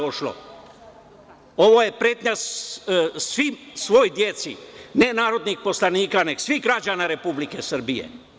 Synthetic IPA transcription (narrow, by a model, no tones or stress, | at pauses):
oʃlo̰ | o̞ʋoje̞pɾeːt̪ɲas | sʋimsʋo̞jd̪jet̪sinenaːɾo̞d̪nixpo̞slaniːkane̞ɡsʋiɣɡɾad͡ʒanaɾe̞publike̞sr̩bijḛ